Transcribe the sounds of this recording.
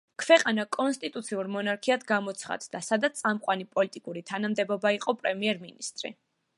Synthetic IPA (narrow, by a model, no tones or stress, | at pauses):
kʰvɛqʼanakʼɔnst̪ʼit̪ʼut̪sʰiuɾmɔnaɾkʰiad̪ɡamɔt̪sʰχa̰d̪d̪asad̪at̪sʼamqʼwanipʼɔlit̪ʼikʼuɾit̪ʰanamd̪ɛbɔbaiqʼɔpʼɾɛmiɛɾminist̪ʼɾḭ